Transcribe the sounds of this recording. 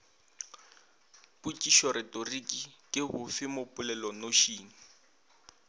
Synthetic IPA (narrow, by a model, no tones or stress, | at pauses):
put͡ʃʼiʃɔɾɪtʼorikʼikʼɪhʊfɪmopʼʊlɛlɔnoʃiːŋ̩